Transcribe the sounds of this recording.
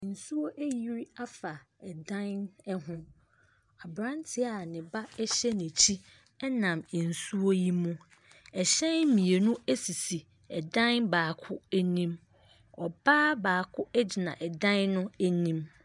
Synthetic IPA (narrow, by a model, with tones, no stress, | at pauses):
n̩˨su˦wo˦ʔæ˦ji˦ɾi˦a˦fa˨ | ɛ˨dã˦nnɛ˦ɦʊ̃˦ | a˨bɾã˦ntʰɪ˨a˨nɪ̃˨ba˦ɛ˦ɕɛ˦nɪ̃˨t͡ɕʰi˦ | ɛ˦nã˨m˨n̩˨su˦o˦ji˦mũ˦ | ɛ˨ɕɛ̃˦nmĩ˨e˨nũ˦æ˦si˨si˨ | ɛ˨dã˦nbaː˨kʰʊ˦ɛ˦nĩ˦m | ɔ˨baː˦baː˨kʰʊ˦ɛ˦d͡ʑɪ˨nã̰˨ʔɛ˨dã˦nːʊ̃˦æ˦nĩ˦m